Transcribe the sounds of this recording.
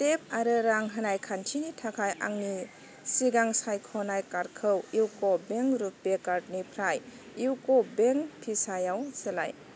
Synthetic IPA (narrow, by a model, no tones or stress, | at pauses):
tep̚aɾɯɾaŋɦənajkʰantʰinitʰakʰaja̰ŋni | siɡaŋsajkʰɔnajkaɾkʰɯwiwkobeŋɾupːekaɾtnipʰɾaj | iwkobeŋpʰisajawsela̰j